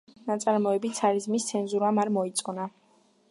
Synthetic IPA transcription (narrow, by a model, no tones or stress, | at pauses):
nat̪sʼaɾmɔɛbit̪sʰaɾizmist̪sʰɛnzuɾamaɾmɔit̪sʼɔna